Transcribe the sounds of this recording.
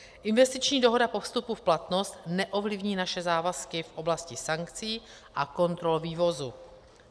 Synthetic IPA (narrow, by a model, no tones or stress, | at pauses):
ʔɪnvɛst̪ɪt͡ʃɲiːdo̞ɦo̞dapo̞fst̪upufplat̪nost̪nɛʔovlɪvɲiːnaʃɛzaːvaskɪfʔo̞blascɪsaŋkt͡siː | ʔako̞nt̪ɾolviːvo̞zu